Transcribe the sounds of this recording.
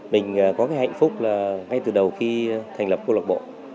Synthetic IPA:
mï˨˩ŋ̟ː˨˩kɔ˨˦kaː˨˦jha̰˧˨jŋ̟fʊ˦˥k͡p̚laː˨˩ŋa˧jt̪ɨ˨˩ɗə˨˩wxi˧t̪ʰŋ̟lə˨˩p̚ko˧wlə˨˩k̚ɓo̰˧˨

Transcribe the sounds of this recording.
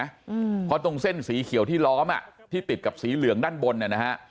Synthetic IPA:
pʰɔ˦˥t̪o˧ŋse˥˩nsiː˩˦kʰi˨˩˦wt̪ʰiː˥˩lɔː˦˥mʔa̰˨˩ʔt̪ʰiː˥˩pi˨˩t̪̚ka˨˩p̚siː˩˦lɯ˨˩˦əŋdaː˥˩nbo˧nːa˨˩na˦˥ha˦˥ʔ

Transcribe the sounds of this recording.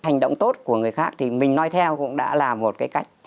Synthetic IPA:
a˨˩jŋ̟ɗo̰˧˨wŋ͡mt̪o˦˥t̚ku˧˩əŋɨ˨˩əjxaː˦˥k̚t̪ʰi˨˩mï˨˩ŋ̟nɔ˧jt̪ʰɛ˧wkʊ̰˧˥ŋ͡mɗa̰ː˧˥laː˨˩mːo˨˩t̚kaː˨˦jka˦˥jk̟̚

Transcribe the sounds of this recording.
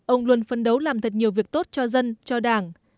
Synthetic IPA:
ʔə˧wŋ͡mlu˧ənfə˧nɗə˨˦wlaː˨˩mt̪ʰə˨˩t̚ɲi˨˩əwvi˨˩ək̚t̪o˦˥t̚t͡ɕɔ˧zə˧nt͡ɕɔ˧ɗaː˧˨˩ŋ

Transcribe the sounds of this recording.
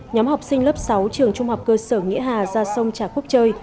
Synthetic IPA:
ɲɔ˨˦mha˨˩wk͡p̚sï˧ŋ̟lə˦˥p̚sa˨˦wt͡ɕɨ˨˩əŋt͡ɕʊ˧ŋ͡mha˨˩wk͡p̚kəː˧səː˧˩ŋḭ˧˥əɦaː˨˩zaː˧sə˧wŋ͡mt͡ɕaː˧˩xu˦˥əp̚t͡ɕəː˧j

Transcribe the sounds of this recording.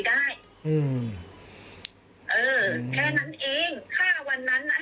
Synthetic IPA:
daː˥˩j | ʔɯː˧˩m | ʔɤː˧kʰɛː˥˩na˦˥nʔeː˧ŋkʰaː˥˩wa˧nːa˦˥nːa˧˥

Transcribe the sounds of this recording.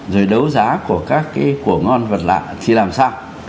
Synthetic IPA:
zo˨˩jɗə˨˦wzaː˨˦ku˧˩əkaː˦˥kːaː˨˦jku˧˩əŋɔ˧nvə˨˩t̚la̰ː˧˨t̪ʰi˨˩laː˨˩msaː˧w

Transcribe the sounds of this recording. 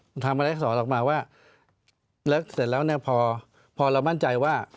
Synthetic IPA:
t̪ʰa˧mʔa˧a˦ja˥˩sɔː˩˦nʔɔː˨˩k̚maː˧waː˥˩ | lɤ˦˥k̚se˨˩t̪̚lɛː˦˥wni˥˩ɐpʰɔː˧ | pʰɔː˧ɾa˧wma˥˩nt͡ɕa˧jwaː˥˩

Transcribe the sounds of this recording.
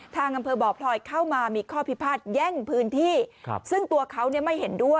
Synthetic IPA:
t̪ʰaː˧ŋʔa˧mpʰɤː˧bɔː˨˩pʰlɔː˧jkʰa˥˩wmaː˧miː˧kʰɔː˥˩pʰi˦˥˩pʰaː˥˩t̪̚jɛ˥˩ŋpʰɯː˦˥nt̪ʰḭː˥˩˧sɯ˥˩ŋt̪u˧ɐkʰa˦˥wni˥˩ɐma˥˩jɦe˩˦ndu˥˩əj

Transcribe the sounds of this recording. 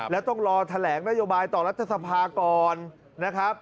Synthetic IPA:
lɛː˦˥wt̪ɔ˥˩ŋɾɔː˧t̪ʰa˧lɛː˩˦ŋna˦˥joː˧baː˧jt̪ɔː˨˩ɾa˦˥t̪ʰːa˧sa˧pʰaː˧kɔː˧nː | a˦˥kʰɾa˦˥p̚

